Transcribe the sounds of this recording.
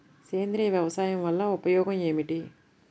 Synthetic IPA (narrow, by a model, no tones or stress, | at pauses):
keːnd̪ɾiːjɐʋjɐʋɐsaːjɐmʋɐlːɐupɐjɔːɡɐme̞ːmiʈi